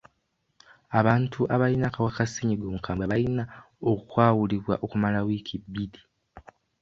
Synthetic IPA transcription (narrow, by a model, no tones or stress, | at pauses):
aβaːntʰuʔaβalinakawakasiɲiɡoːmukʰaːmbwaβalina | okukwaːwuliβwa̰ʔokumalawiːkʰibːidi̥